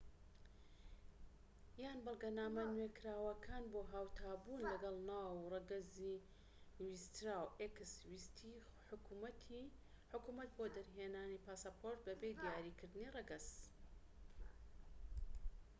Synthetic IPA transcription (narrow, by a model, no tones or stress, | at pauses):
jaːnbɨlˠɡɐnaːmɐnwekʰɾaːwɐkʰaːnboːɦaːwt̪ʰaːbuːnlɐɡɐlˠnaːwrɐɡɐzi | wist̪ɾawʔekɨswist̪ʰiħmt̪ | ħʊkuːmɐt̪̚boːd̪ɐɾɦeːnaːnipʰaːsapʰoɾt̪̚bɐbeːd̪ijaːɾiːkʰɨɾd̪ɨnirɐɡɐs